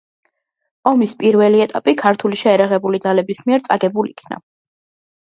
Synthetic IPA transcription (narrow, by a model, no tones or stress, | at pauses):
ɔmispʼiɾvɛliɛt̪ʼapʼikʰaɾt̪ʰuliʃɛːɾaʁɛbulid̪zalɛbismiɛɾt̪sʼaɡɛbuliḭkʰna̰